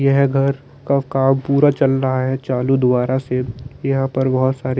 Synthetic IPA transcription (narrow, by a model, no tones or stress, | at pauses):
jɐɦɛɡʱɐɾ | kakaːbpuːɾat͡ʃɐlɾɐɦaɦɛt͡ʃaːlud̪ʊbaːɾasejɐɦãpɐɾbɐɦɔt̪saːɾe